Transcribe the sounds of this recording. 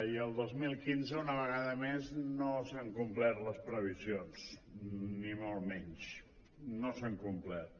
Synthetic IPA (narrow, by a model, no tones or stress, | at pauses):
iəlˠd̪ozmilˠkinzəunəβ̞əɣaðəmeznosaŋkumplɛt̪ləspɾəβ̞izions | nimolˠmɛɲt͡ʃ | nosaŋkumplɛt̪̚